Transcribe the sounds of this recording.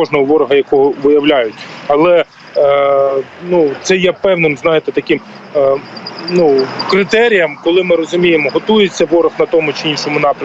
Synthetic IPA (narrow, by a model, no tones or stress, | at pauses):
ɔʒnɔɦɔʋɔɾɔɦɐjɐkɔɦɔʋɪjɐwlʲajʊtʲɐlˠɛ | nut̪sɛjɛpɛwnɪmznɑjɪt̪ɛt̪ɐkɪm | nukɾɪt̪ɛɾʲijɐmkɔlˠɪmɪɾɔzʊmʲijemɔɦɔt̪ujet͡sʲːɐʋɔɾɔxnɐt̪ɔmʊt͡ʃɪinʃɔmʊnɑpɾʲɐ